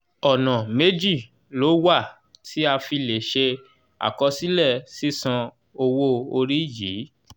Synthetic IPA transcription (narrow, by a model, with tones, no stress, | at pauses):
ɔ˨nã˨me˦d͡ʒi˦˨ | lo˨˦wa˦˨ | tʰi˦a˧fi˧le˨ʃe˧ | a̰˨kɔ˧si˦lɛ˦˨si˦sã˧ | o˧wo˦o˧ɾi˦jiː˨˦